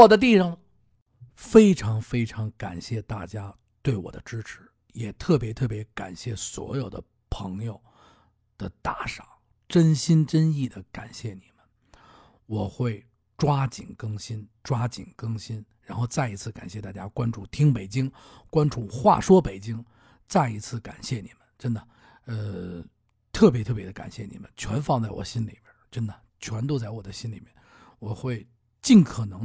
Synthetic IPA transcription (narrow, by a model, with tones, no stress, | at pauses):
ɔ˨˩d̪ə˦t̪̬i˥˩ʂɑ˨˩ŋ | fe˥ɪʈ͡ʂʰɑ˧˥ŋfe˥ɪʈ͡ʂʰɑ˧˥ŋka˨˩nɕjɛ˥˧t̪a˥˩t͡ɕja˥ | t̪we˥˩ɪwɔ̰˨˩d̪ə̰˦ʈ͡ʂɻ̩˥ʈ͡ʂʰɻ̩˧˥˦ | jɛ˨˩t̪ʰɤ˥˩pjɛ˧˥t̪ʰɤ˥˩pjɛ˧˥ka̰˨˩nɕjɛ˥˩swɔ̰˧˥jo˨˩ʊd̪ə̰˦ | pʰɤ˧˥ŋjo˧ʊ | d̪̥ə˨t̪a˧˥˩ʂɑ˨˩˦ʊ | ʈ͡ʂə˥nɕi˥nʈ͡ʂə˥ni˥˩d̪ə˩ka˨˩nɕjɛ˥˩ni˨˩mə˦n | wɔ˨˩xwe˥˩ɪ | ʈ͡ʂwa˥t͡ɕḭ˨˩ŋkɤ˥ŋɕi˥nʈ͡ʂwa˥t͡ɕḭ˨˩ŋkɤ˥ŋɕi˥nɻa˧˥nxo˥˧ʊt͡sa˥˩ɪi˧˥t͡sʰɹ̩˥˩ka˨˩nɕjɛ˥˧t̪a˥˩t͡ɕja˥kwa˥nʈ͡ʂu˥˩t̪ʰi˥ŋpe˨˩ɪt͡ɕi˥ŋkwa˥nʈ͡ʂu˥˩xwa̰˥˩ʂwɔ˥pe˨˩ɪt͡ɕi˥ŋ | t͡sa˥˩ɪi˧˥t͡sʰɹ̩˥˩ka̰˨˩nɕjɛ˥˩ni˨˩mə˦nʈ͡ʂə˥nd̪ə˨ | ə˧ | t̪ʰɤ˥˩p̬jɛ˧˥t̪ʰɤ˥˩p̬jɛ˧˥ə˧ka̰˨˩nɕjɛ˥˩nḭ˨˩mə̰˦nt͡ɕʰɥɛ˧˥nfɑ˥˧ŋt͡sa˥˩ɪwɔ̰˨˩ɕi˥nli˨˩mjə˥˩ʈ͡ʂə˥nd̪ə˨ | t͡ɕʰɥɛ˧˥nt̪o˥ʊt͡sa˥˩ɪwɔ˨˩d̪ə˦ɕi˥nli˨˩mjɛ˥˩nwɔ˨˩xwe˥˧ɪ | t͡ɕi˥˩nkʰɤ˨˩nɤ˧˥ŋ